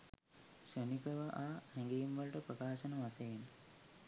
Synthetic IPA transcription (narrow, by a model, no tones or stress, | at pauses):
ʃənikəʋəʔaːhɛŋɡejimʋɐlʈəprəkaːʃənəʋasejin